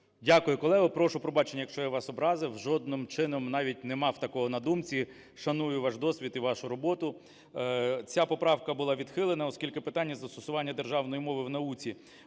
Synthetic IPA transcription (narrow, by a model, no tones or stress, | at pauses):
dʲakʊjʊkɔlˠɛɦʊpɾɔʃʊpɾɔbɑt͡ʃenʲːɐjɐkʃt͡ʃɔjɛʋɑsɔbɾɑzɪwʒɔd̪̚nɪmt͡ʃɪnɔmnɑʋʲit̚ʲnemɑwt̪ɐkɔɦɔnɐd̪umt͡sʲi | ʃɐnujʊʋɑʒd̪ɔsʲʋʲit̪iʋɑʃʊɾɔbɔt̪ʊ | t͡sʲapɔpɾɑwkɐbʊlˠɑʋʲid̪̥xɪlˠɪnɐɔskʲilʲkɪpɪt̪ɑnʲːɐzɐst̪ɔsʊʋɑnʲːɐd̪erʒɑwnɔjimɔʋɪwnɐut͡sʲi